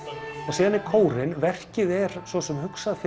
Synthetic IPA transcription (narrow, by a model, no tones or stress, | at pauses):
θaðsiːðanːɪkʰoːwɾɪnvɛr̥cɪðɛɾ̥svɔsɛmhʏksaðfɪ